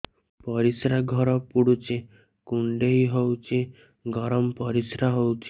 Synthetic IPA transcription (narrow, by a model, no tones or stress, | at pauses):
pɔɾisɾaɡʱɔɾɔpuɽut͡ʃi | kuɳɖeɦiɦowt͡ʃʰi | ɡʱɔɾɔmpɔɾisɾaɦowt͡ʃʰi̥